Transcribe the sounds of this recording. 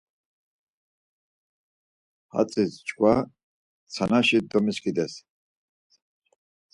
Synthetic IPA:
ha̰t͡sʼist͡ʃʰkʰʼwa | t͡sʰanaʃid̪ɔmiskʰʼid̪ɛs

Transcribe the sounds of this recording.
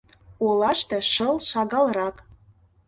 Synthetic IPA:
olɑʃt̪ɤ̆ʃɤlˠʃɑɡɑlˠrɑk

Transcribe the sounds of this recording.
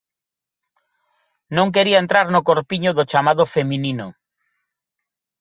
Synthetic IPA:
nõŋk̬eɾiaent̪ɾaɾnʊkoɾpiɲʊðʊt͡ʃamaðʊfemĩninʊ̰

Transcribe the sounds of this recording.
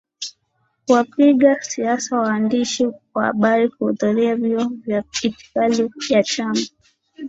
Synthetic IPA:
kuwapiɠasiasawaːndiʃikwaha̰ɓaɾikuhuðuɾiaviɔvjaiti̥kalijat͡ʃama

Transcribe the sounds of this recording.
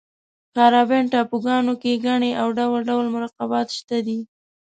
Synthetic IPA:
kɑɾɑbenʈɑpuɡɑnokeɡaɳeʔawɖawalɖawlmʊɾɑqɑbɑt̪ʃt̪ad̪i

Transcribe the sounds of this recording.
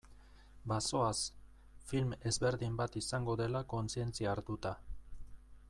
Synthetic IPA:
baso̞as | filme̞zβe̞ɾðimbat̪isaŋɡo̞ðe̞lako̞nt͡sie̞nt͡siaːɾt̪ut̪a

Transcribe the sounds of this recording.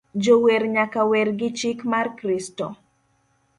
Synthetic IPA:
d͡ʒoweɾɲakawerɡɪt͡ʃikmarkɾistɔ̰

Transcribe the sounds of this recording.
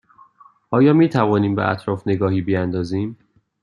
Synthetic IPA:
ʔɒːjɒːmiːt̪ʰævɒːniːmbeʔæ̰t̪ʰɾɒːfne̞ɡɒːhiːbiænd̪ɒːziːm

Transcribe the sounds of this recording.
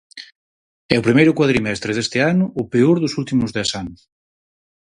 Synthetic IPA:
ɛʊpɾimejɾʊkwaðɾimɛst̪ɾeðest̪ɪanʊʔːpeoɾðʊsult̪imʊzðɛsanʊs

